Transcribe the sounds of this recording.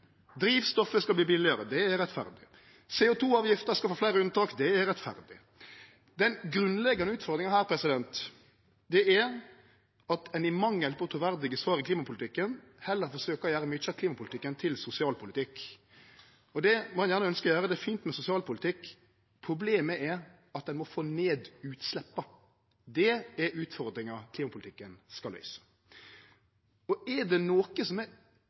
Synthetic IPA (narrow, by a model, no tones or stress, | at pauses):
d̪ɾiːʋst̪ɔfəskɑbliːbɪlɪəɾəd̪ɛæɾɾɛt̪fæ̰ɾd̪ɪ | sɛːʊt̪ʰuːɑːʋjɪft̪əɾskɑlfoːflæɪɾəʉnt̪ɑːkd̪ɛæɾɾɛt̪fæ̰ɾd̪ɪ | d̪ɛnɡɾʉnlɛɡɑnəʉːt̪fɔɾd̪ɾɪŋɑhæːɾpʰɾɛsɪd̪ɛnt̪ | d̪ɛæɾ | ɑt̪ʰɛnɪmɑŋjɛlpɔt̪ʰʊːʋæɾd̪ɪɡəsʋɑːɾɪkʰliːmɑpʊlt̪ɪkːən | hɛlːəɾfɔɾʂøːkɔjæːɾəmyt͡ʃːɑkliːmɑpʰʊlɪt̪ɪkːənt̪ʰɪlsʊsɪɑːlpʰʊlɪt̪ʰɪkː | ɔd̪ɛmɔhɛnjæʁnəœnskəɔjøːɾəd̪ɛfiːnt̪mɛsʊsɪɑːlpʰʊlɪt̪ʰɪkː | pʰɾʊbleːməʔɛɾ | ɑt̪̚d̪ɛnmɔfoːneːd̪ʉːt̪slɛpːɑ | d̪ɛɛɾʉːt̪fɔɾd̪ɾɪŋɑkʰliːmɑpʰʊlɪt̪ɪkːənskɑlhœ̰ʏsə̥ | ɔɛɾɖ̪ɛnoːkəsɔmɛɾ